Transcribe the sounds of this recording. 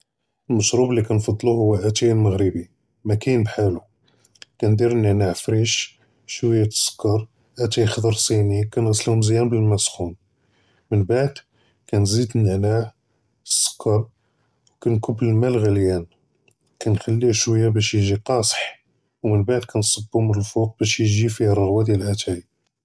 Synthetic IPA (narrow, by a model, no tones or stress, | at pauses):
əlməʃɾublːikænfɑd̪ˤluhʊwːæʔæt̪ælməɣɾəbi | mækæjnbħalu | kænd̪iɾnəʕnaʕfɾiʃ | ʃwəjːat̪ə̥sˤːkːɑɾˤ | ʔæt̪æjxd̪ɑɾˤsˤinikænɣæsːəlhʊmzjænbəlmæsxun | mənbaʕd̪ | kænzid̪nəʕnah | sˤːə̥kːɑɾˤ | wkænkʊbːləlmælɣəljæn | kænxælːiʃwəjːabæʃjʒiqɑsˤħ | wmənbaʕd̪kʰænsˤɑbːhʊməlfuq̚bæʃjʒifihɾˤɣwæd̪jælʔæt̪ʰæj